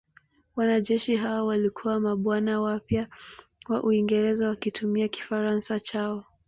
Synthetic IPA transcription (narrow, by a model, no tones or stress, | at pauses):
wanaʄɛʃiɦawɔwalikʰuwamaɓwanawapja | waʔuiŋɡɛɾɛzawakitʰumiaki̥faɾansat͡ʃaɔ